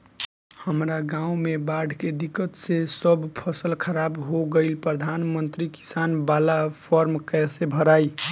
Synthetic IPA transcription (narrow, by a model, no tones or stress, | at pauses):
həmɾaɡãũmebaɖʱked̪ikːət̪sesəbʱpʰəsəlkʰəɾabɦoɡəɪlpɾəd̪ʱanmənt̪ɾiki̥sanbalapʰɔɾmkɛsebʱəɾai